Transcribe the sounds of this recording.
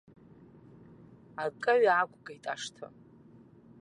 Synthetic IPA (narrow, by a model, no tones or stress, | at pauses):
akʼaɥakʷʰʼɡʼajtʼaʂtʰɨ̰